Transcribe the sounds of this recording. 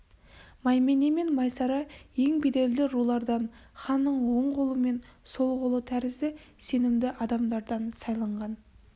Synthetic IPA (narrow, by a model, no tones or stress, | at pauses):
mɑjme̞neme̞nmɑjsɑɾɑje̞ŋbed̪e̞ld̪ɪɾulˠɑɾd̪ɑnχɑnːəɴwo̞ɴʁolˠəme̞nso̞lˠʁolˠət̪ʰæɾɪzɪ | se̞nɪmd̪ɪʔɑd̪ɑmd̪ɑɾd̪ɑnsɑjlˠɑɴʁɑn